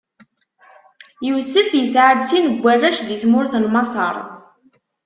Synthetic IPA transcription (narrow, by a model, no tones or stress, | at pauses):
jəwsəθjəsʕəd̪sinəɡʷːərːæʃðiθmʊɾθlmɑsˤɑ̰ɾˤ